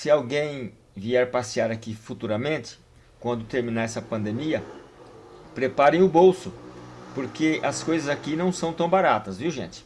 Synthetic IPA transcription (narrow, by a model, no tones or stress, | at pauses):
sɪawɡẽj̃ | viɛɾpasiaɾakifut̪uɾɐmẽnt̪ɪ̥ | kwɐ̃nd̪ʊt̪eɾmĩnaɛsɐpɐ̃nd̪emiɐ | pɾepaɾẽj̃ʊbowsʊpoɾkeʔɐskojzɐzakinɐ̃w̃sɐ̃w̃t̪ɐ̃w̃baɾat̪ɐzviwʒḛ̃nt͡ʃ̪ɪ̥